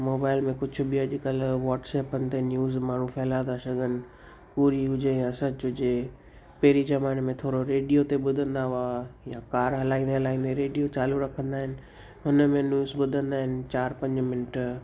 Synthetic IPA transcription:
moːbaːɪlmẽkʊd͡ʑʰʱʊ̆biɐʄʊkɐlʋaːʈsɛːpənɪ̆t̪enjuːzmaːɳ̤ũfʰɛɦlãːd̪aʃɐɡʱənɪ̆ | puːɾiɦʊd͡ʑejãsɐt͡ɕɦʊd͡ʑe | peɾizɐmaːɪnmẽt̪ʰoːɾoɾeːɖijot̪eɓʊd̪ʱə̃nd̪aɦajakaːɾɦɐlaːĩːnd̪eɦɐlaːĩːn̆d̪eɾeːɖijot͡ɕaːluɾɐkʰə̃nd̪aːɦɪnɪ̆ | ɦʊnəmẽnjuːzɓʊd̪ʱə̃nd̪aːɦɪnɪ̆t͡ɕaːɾpɐ̃ɲd͡ʑmɪnɪʈ

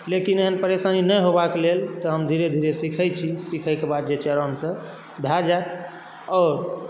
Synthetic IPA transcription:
lekineɦənpəɾesaninəjɦobakelelt̪əɦəmd̪ʱiɾed̪ʱiɾesikʰəjt͡ʃʰisikʰəjkebad̪̚d͡ʒet͡ʃəɾəmsə̃ | bʱjad͡ʒat̪̚ʰ | ɔːɾ

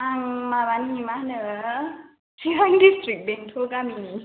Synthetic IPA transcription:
aŋmaβanimanɯ | siɾaŋdistɾik̚beŋtʰoɡamini

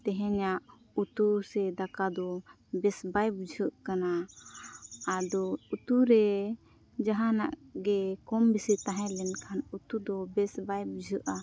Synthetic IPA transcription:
t̪ɛɦɛ̃ɲaʔ | ut̪usɛd̪akad̪ɔ | bɛsbajbud͡ʒʱəʔkana | d̪ɔut̪uɾɛ | d͡ʒaɦana̰ʔɡɛkɔmbisit̪aɦɛ̃lɛnkʰanut̪ud̪ɔbɛsbajbud͡ʒʱəʔa

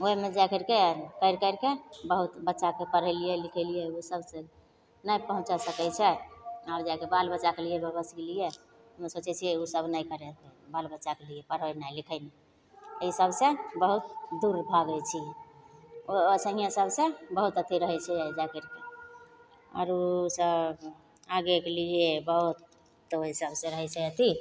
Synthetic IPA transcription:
oɦemed͡ʒakəɾkekəɪɾkəɪɾkebəɦut̪bətːʃakepəɾəɪlijɛlikʰəlijɛosəbsə | nəjpəɦũt͡ʃasəkɛt͡ʃʰɛaɾd͡ʒakebalbətːʃakelijebəbəskelije | ɦəmesot͡ʃɛt͡ʃʰiɛusəbnəjkəɾɛt̪ebalbətːʃakeliɛpəɾɦənajlikʰəni | əisəbʱsẽbəɦut̪̚d̪uɾbʱaɡɛt͡ʃʰi | osə̃ɦijãsəbsẽbəɦut̪ət̪ʰiɾəɦɛt͡ʃʰɛd͡ʒakeɾke | ɔ̰ɾosəb | aɡekeliebəɦut̪ː | oɦisəbsẽɾəɦɛt͡ʃʰɛət̪ʰi

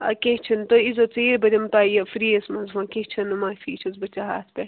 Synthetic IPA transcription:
ɐkʲet͡ʃʰɐnt̪oizot͡seːɾbɐɾʲɐmt̪aːjɐfɾiɐsmɐnzʋãːket͡ʃʰɐnɐmaːfiːt͡ʃʰɐzbɐt͡ʃaɦa̰ːsʰpʲɐ

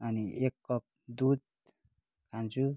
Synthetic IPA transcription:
ʌniekːʌp̚d̪ud̪̚ | kʰant͡sʰu

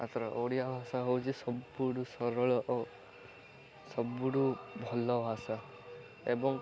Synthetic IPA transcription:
a̰t̪ʰɔɾɔʔoɽijabʱasaɦowt͡ʃʰisɔbuɽusɔɾɔɭɔʔɔ | sɔbuɽubʱɔlɔbʱasa | ebɔŋ

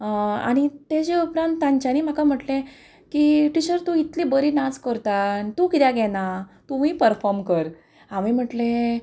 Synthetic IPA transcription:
a̰ɽ̃it̪ed͡ʑeupɾãnt̪ːãɲt͡ɕaniːm̤akam̤əʈlẽ | kiʈiɕəɾt̪ũit̪liːbəɾiːnat͡skəɾt̪at̪ũkit̪jaɡɛnat̪um̤iːpəɾfɔɾmkəɾ | amiːm̤əʈle

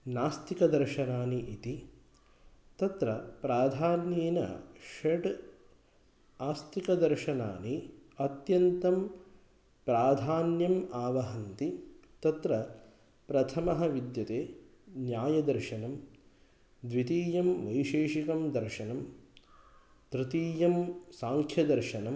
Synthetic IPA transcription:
naːst̪ikɐd̪ɐɾʃɐnaːniʔit̪i | t̪ɐt̪ɾɐpɾaːd̪ʱaːnjiːnɐ̰ʃeʈ | aːst̪ikɐd̪ɐɾʃɐna̰ːniɐt̪jɐnt̪ɐm | pɾaːd̪ʱaːnjɐmaːʋɐɦɐnt̪it̪ɐt̪ɾɐ | pɾɐt̪ʰɐmɐɦɐʋid̪jɐt̪eː | njaːjɐd̪ɐɾʃɐnɐm | d̪ʋit̪iːjɐmʋɐjʃeːʃikɐmd̪ɐɾʂɐnɐm | t̪ɾɪt̪iːjɐmsaːŋkʰjɐd̪ɐɾʃɐnɐm

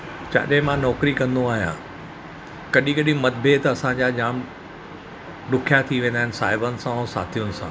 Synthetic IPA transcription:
t͡ɕa̰ːɗɦɪ̃mãnɔːkɾikɐ̃nd̪oaːɦijã̰ | kɐɗikɐɗĩmɐt̪bʱeːt̪ɐɐsãɲd͡ʑad͡ʑaːm | ɗʊkʰjat̪ʰiʋẽːnd̪aɦɪn̆saːɦɪbənɪ̆sãɔːsa̰ːt̪ʰijʊnɪ̆sã̰ː

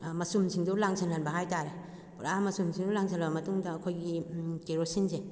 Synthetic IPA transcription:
mɐsumsʰiŋdulaŋsʰanhanbɐɦajtaɾe | pɾamɐsumsʰiŋdulaŋsalbɐmɐtuŋdɐːkʰojɡikeɾosinse

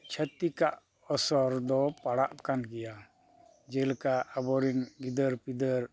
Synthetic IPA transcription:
t͡ʃʰət̪ikaʔ | ɔsɔɾd̪ɔpaɽaʔkanɡɛja | d͡ʒɛlkaabɔɾinɡid̪əɾpid̪əɾ

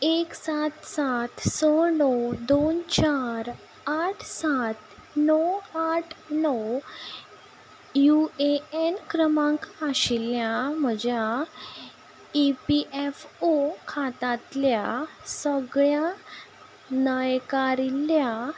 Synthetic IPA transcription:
eksat̪sat̪sɔnɔd̪ont͡ɕaɾ | aʈʰsat̪nɔaʈʰnɔ | jueenkɾəmãŋkaɕiljam̤əd͡ʑja | ipiʔefokʰat̪at̪ljasəɡɭja | nəjkaɾilːja

